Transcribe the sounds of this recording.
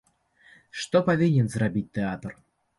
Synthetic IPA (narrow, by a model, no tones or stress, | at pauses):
ʂt̪ɔpavʲinʲɛnzrabʲit̚ʲt̪ɛat̪r